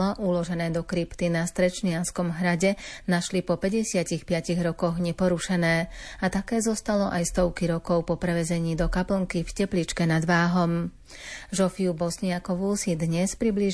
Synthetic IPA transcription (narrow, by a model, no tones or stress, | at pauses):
ɔʔulɔʒɛnɛːd̪ɔkɾipt̪inast̪ɾɛt͡ʃɲɪanskɔmɦɾaɟɛnaʃlipɔpɛɟɛsɪacixpɪaciɣɾɔkɔɣɲɛpɔɾuʃɛnɛːat̪akɛːzɔst̪alɔʔajst̪ɔʊkiɾɔkɔʊpɔpɾɛʋɛzɛɲiːd̪ɔkapl̩ŋkifcɛplit͡ʃkɛnad̪ʋaːɦɔm | ʒɔfiubɔsɲɪakɔʋuːsid̪ɲɛspɾibli